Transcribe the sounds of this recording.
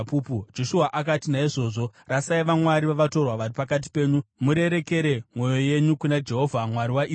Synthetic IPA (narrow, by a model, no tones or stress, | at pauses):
puːpud͡ʒo̞ʃuaʔakatinaiʐo̞ːʐo̞rasaiʋamwaɾiʋaʋato̞rwaʋaripakat̬i̥pe̞ːɲumuɾe̞ɾe̞ke̞ɾe̞mwo̞jo̞je̞ɲukunad͡ʒe̞ɦo̞vʱamwaɾiwaʔiː